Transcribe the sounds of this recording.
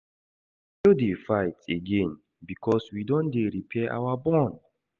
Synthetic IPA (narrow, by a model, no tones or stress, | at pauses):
jodefaɪteɡẽn | bikʰɔswidõndeɹipʰɛʔa̰wabɔ̃nd